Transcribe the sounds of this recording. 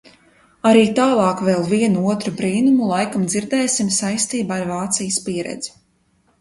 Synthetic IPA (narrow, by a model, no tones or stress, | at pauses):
aɾiːt̪aːlˠɑːkveːlˠviɛnuuɔt̪ɾubɾiːnumulˠajkamd̪ziɾd̪ɛːsimsajst̪iːbaːɾvaːt̪sijəspiɛɾɛ̰d̪zi̥